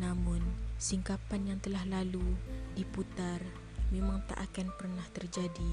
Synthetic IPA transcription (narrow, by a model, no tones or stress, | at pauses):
namʊnsiŋkapanjaŋt̪əlahlaludiput̪ar | memaŋt̪a̰ʔakanpərnaht̪ərd͡ʒadi